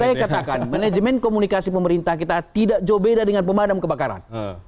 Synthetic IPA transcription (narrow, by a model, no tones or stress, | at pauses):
ajakat̪akanmaned͡ʒəmɛnkomunikasipəməɾint̪ahkit̪at̪idaʔd͡ʒobedadəŋanpəmadamkəbakaɾa̰n